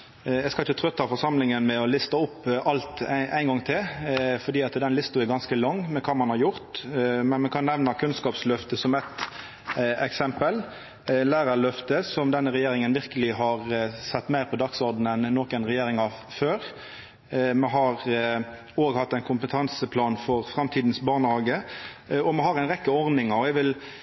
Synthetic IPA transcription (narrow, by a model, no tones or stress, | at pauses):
ɛɪskɑlɪçət̪ʰɾœt̪ːɑfɔʁsɑmlɪŋənmɛɔlɪst̪əʊpːʔɑlt̪ʔæɪnɡɔŋːt̪ʰɪlfɔd̪iːɑt̪d̪ɛnlɪst̪ʊɛɾɡɑnskəlɔŋːmɛkʰɑːmɑnhɑɾjʊɾt̪mɛnmɛnkʰɑnːɛʋnɑkʰʉnskɑːpslœft̪əsɔmɛt̪ | ɛksɛmpəl | læːɾɑlœft̪əsɔmd̪ɛnːəɾɛjeːɾɪŋənʋɪɾkəlɪɦɑʁsɛt̪ːmæɪʁpʰɔd̪ɑksɔɾd̪n̩ɛnːoːkənʁɛjeːɾɪŋɑføːʁ | mɛɦɑʁ | oːɡhɑt̪ːɛɪnkʰʊmpət̪ʰɑnsəpʰlɑːnfɔʁfɾɑmt̪ʰiːd̪nsbɑːʁnəhɑːɡə | ɔmɛɦɑɾæɪnʁɛkːəɔɾd̪ɪŋɑɔɛʋɪl